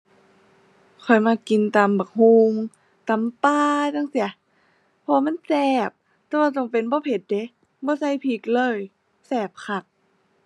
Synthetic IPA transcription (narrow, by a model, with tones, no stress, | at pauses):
kʰɔ˨˩jmaː˧˨ki˧˨nt̪aː˨mbaː˨˩k̚ɦuː˧ŋ | t̪a˨mpaː˧da˧˥˨ŋsi˧˦ɐ˦ | pʰɔ˧waː˧ma˧˥˨nsɛː˧˩p̚ | t̪ɛː˧˦wa˧˩t̪t͡ɕɔ˧˨˩ŋpe˨˦nbɔː˧˦pʰe˧˦t̪̚de˧˦ | bɔː˧˦sa˧˥˨jpʰi˧˩k̚lɤː˧˥˨j | sɛː˧˩p̚kʰa˧˩k̚